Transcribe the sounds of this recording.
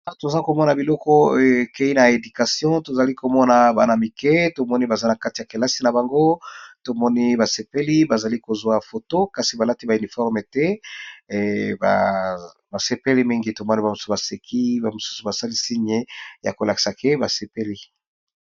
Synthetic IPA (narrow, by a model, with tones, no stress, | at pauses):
a˦to˨za˦ko˨mɔ˦na˨bi˨lɔ˦kɔ˦˨ke˦i˦na˨e˨dy˨ka˨sjɔ̃˦to˨za˨li˦ko˨mɔ˦na˨ba̰˨na˨mi˨kɛ˦to˨mɔ˦ni˦ba˨za˦na˨ka˦ti˨ja˨ke˨la˦si˦na˨ba˨ŋɡo˦to˨mɔ˦ni˦ba˨se˨pe˦li˦ba˨za˨li˦ko˨zwa˨fo˨to˦ka˨si˨ba˨la˦ti˦ba˨y˨ni˨fɔ˦ʁme˨tɛ˦ | ba̰˨ | ba˨se˨pe˦li˦mi˦ŋɡi˦to˨mɔ˦ni˦ba˨o˨su˦ba˨se˨kʰi˦ba˨mo˨su̥˦su˨ba˨sa˦li˦si˦ɲe˦ja˨ko˨la˨ki̥˨sa˨ke˦ba˨se˨pe˦li˦